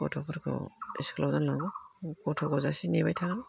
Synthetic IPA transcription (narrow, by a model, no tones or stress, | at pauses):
kɔtʰɔpʰɔɾkʰɔ̰iskʰlawdanlaŋɡɯkɔtʰɔɡɔzasineβajtʰa